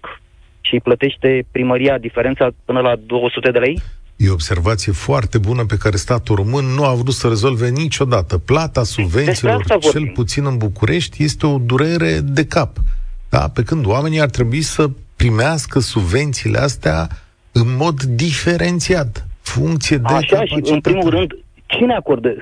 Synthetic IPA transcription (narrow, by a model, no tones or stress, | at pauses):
ʃiplət̪e̞ʃt̪e̞pɾiməɾijad̪ifeɾent̪sapɨnəlad̪o̞wəsut̪ed̪e̞lejjeobse̞rvat̪sije̞foart̪e̞bunəpe̞kaɾe̞st̪at̪uro̞mɨnːuavɾut̪səɾe̞zo̞lve̞nit͡ʃo̞d̪at̪əplat̪asubve̞netsiːlo̞ravt͡ʃoe̞lput̪sinɨnbukuɾʔe̞ʃt̪ʲje̞st̪e̞o̞d̪uɾe̞ɾe̞d̪e̞kapd̪̥a̰pe̞kɨnd̪oame̞niart̪ɾe̞buisəpɾimeaskəsubve̞nt̪siːlʔḛast̪ea̰ | ɨnmo̞d̪ːife̞ɾʔe̞nt̪siat̪fuŋkt̪sije̞d̪eʃaʃiɨnɾimulɾɨnd̪ | t͡ʃineako̞rd̪e